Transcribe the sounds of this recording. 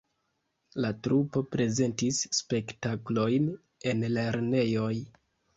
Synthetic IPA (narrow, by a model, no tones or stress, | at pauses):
latɾupo̞pɾe̞ze̞ntisːpe̞ktaklo̞jn | e̞nle̞ɾne̞jo̞j